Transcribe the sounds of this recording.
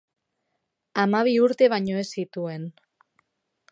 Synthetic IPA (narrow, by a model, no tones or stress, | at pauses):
amaβ̞iuɾt̪e̞β̞aɲo̞e̞sit̪ue̞n